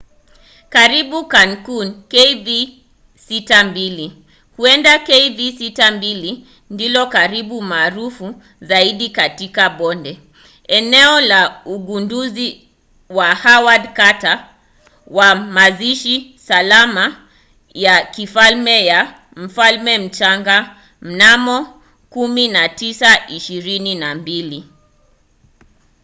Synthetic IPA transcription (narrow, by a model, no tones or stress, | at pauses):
kaɾiɓukankunkeivi | sitambili | huɛndakeivisitambili | ndilɔkaɾiɓumaːɾufu | zaiɗikatikaɓɔndɛ | ɛnɛɔlauɡunduzi | wahawadkata | wamaziʃisalama | jakifalmɛja | m̩falmɛm̩t͡ʃaŋɡa | m̩namɔ | kuminatisaʔiʃiɾininambili